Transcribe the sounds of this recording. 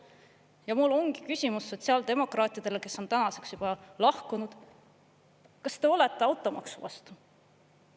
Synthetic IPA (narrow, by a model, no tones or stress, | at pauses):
jɑmulːo̞ŋɡ̥i̥kysʲimusːo̞t̪ʲsiɑld̪e̞mo̞krɑːt̪ˑid̪̥e̞leke̞sːo̞nt̪ænɑse̞ksjub̥ɑlɑhkunud̪̥ | kɑst̪e̞o̞let̪ˑːe̞ɑwt̪ːˑo̞mɑ̰ksuvɑ̰st̪u